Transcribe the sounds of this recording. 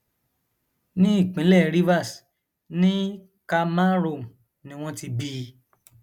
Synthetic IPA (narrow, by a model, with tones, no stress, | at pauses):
nĩ˦i˦˨k͡pĩ˨˦lɛ˦˨ɾi˦va˦˨s | nĩ˦ | ka˧ma˦ɾo˦˨m̩˨ | nĩ˨˦w̃ɔ̃˧ti˧biː˧˦˧